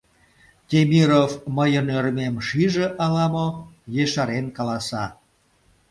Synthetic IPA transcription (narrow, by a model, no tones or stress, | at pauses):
t̪ʲemʲiɾofməjənørmemʃiʒeʔɑlɑmojeʃɑɾenkɑlɑsɑ